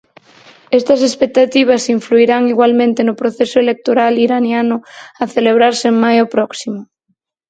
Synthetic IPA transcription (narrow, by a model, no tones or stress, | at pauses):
est̪ɐsespek̚t̪at̪iβ̞asiɱfluiɾaŋiɣwalmẽnt̪enʊpɾoθesʊelek̚t̪oɾaliɾanjanʊaθeleβ̞ɾaɾseeŋmajopɾɔksimʊ